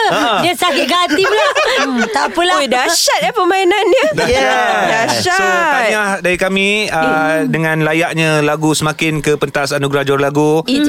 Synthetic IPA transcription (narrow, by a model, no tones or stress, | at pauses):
jasakɪʔ̚ɡat̪ilat̪apəlawidaʃat̪̚japəmainanɲəddaʃasaɲahdaɾikamĩədəŋãnlajaʔɲãlaɡusəmãkɪnkəpənt̪asanũɡɾahd͡ʒɔrlaɡu